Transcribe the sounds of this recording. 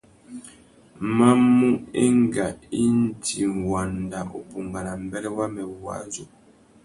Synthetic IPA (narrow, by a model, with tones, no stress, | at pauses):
ma˦mu˦e˦ŋ˦ɡa˨i˦n̩˦tʰi˨ŋwa˨nda˨o˨pu˨ŋɡa˨na˨m̩˦bɛ˦lɛ˦wa˦mɛ˨wwa̰˨˦zo˨